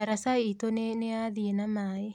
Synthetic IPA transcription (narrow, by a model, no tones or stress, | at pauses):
aɾasaeit̪oneneaːðienamae